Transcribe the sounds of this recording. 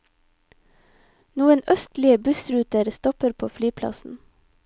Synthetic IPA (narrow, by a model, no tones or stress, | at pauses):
nuːənœst̪lɪəbʉsɾʉːt̪əɾst̪ɔpəɾpʰoːflyːpʰlɑ̰sn̩